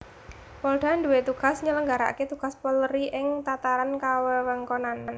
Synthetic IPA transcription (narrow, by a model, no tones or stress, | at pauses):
pɔlɖ̥a̤nd̪uwet̪uɡ̥a̤sɲələŋɡaɾa̰ket̪uɡ̥a̤spəlɾiʔɪŋt̪at̪aɾankawəwəŋkonanan